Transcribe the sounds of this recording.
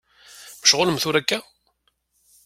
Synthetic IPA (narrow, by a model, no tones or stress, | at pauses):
məʃʁʊləmθʊɾækːæ